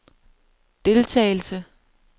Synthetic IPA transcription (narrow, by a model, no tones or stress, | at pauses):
d̥e̝lt͡sʰɛ̰ːɪl̩sə